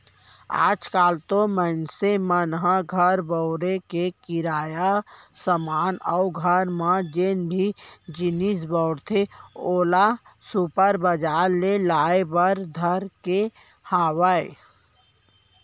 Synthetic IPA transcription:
a̰ːd͡ʒkaːlt̪omənsemənɦaɡʱəɾbəʊɾekekɪɾaːjasəmaːnɔʊɡʱəɾmãd͡ʒeːnbʱid͡ʒɪnis̬bɔʊɽt̪ʰeoːlasupəɾbəd͡ʒaːɾlelaːebəɾd̪ʱəɾke | haːwəe

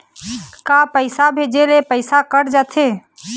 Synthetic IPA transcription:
kaːpəɪsabʱeːd͡ʒelepəɪsakəɽd͡ʒaːt̪ʰeː

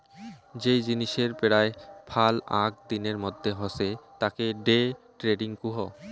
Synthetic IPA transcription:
d͡ʑejd͡ʑiniʃeɾpeɽaepʰala̰k̚d̪ineɾmod̪ʱːeɦoset̪akeɖe | ʈɾeɖiŋkuɦo

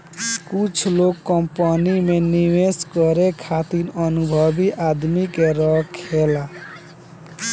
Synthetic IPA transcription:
skut͡ʃʰlokːɔmpɔnimeniweskɔɾekʰat̪inʌnubʱʌbiʔad̪mikeɾʌkʰela

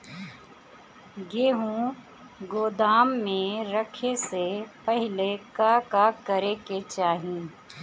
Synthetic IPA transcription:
ɡeːɦũ | ɡoːd̪aːmːẽɾəkʰesepəɦɪlekakakəɾeket͡ʃaːɦĩː

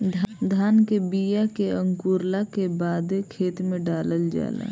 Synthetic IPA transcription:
d̪ʱd̪ʱaːnkebijakeə̃ŋkuːɾlakebaːd̪ekʰeːt̪mẽɖaːləld͡ʒa̰ːla̰

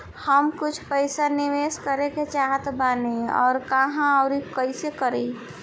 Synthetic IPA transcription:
həmkʊt͡ʃʰpəɪsaniʋeskəɾeket͡ʃaɦt̪baneɔ̰ːɾkaɦãəʊɾikəɪsekəɾi

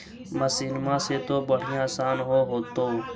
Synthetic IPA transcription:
məsinmãːseːt̪oːbəɽ̤ɪjãaːsaːnɦoːɦoːt̪oː

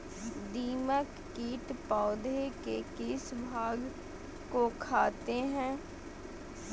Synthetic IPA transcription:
d̪iːməkːiːʈpaːd̪ʱekeːkɪsbʱaːɡ | koːkʰaːt̪eːɦɛ̃ː

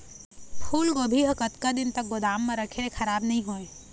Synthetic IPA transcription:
pʰuːlkobʱiɦɐkət̪kad̪ɪnt̪ɐk̚ɡʊd̪aːmːẽɾɐkʰeɾexʰɐɾaːbnɐɦĩɦoːẽː

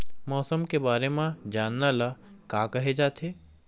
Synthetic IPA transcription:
mɔːsəmkebaːɾemãd͡ʒaːnːalakaːkɐɦed͡ʒaːt̪ʰeː

